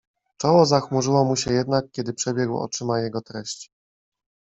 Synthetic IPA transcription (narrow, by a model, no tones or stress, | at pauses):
t͡ʂɔwɔzaxmuʐɘwɔmuɕɛjɛd̪nak̚kʲɛd̪ɘpʂɛbʲjɛɡwɔ̰t͡ʂɘmajɛɡɔt̪ɾɛɕt͡ɕ